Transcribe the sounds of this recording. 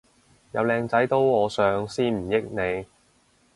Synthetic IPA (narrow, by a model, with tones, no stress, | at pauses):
jɐ˨˧wlɛː˧ŋt͡sɐ˨˥jt̪o˨˥wɔː˨˧sœː˨˧ŋsiː˥nm̩˨˩jɪ˥k̚ne˨˧j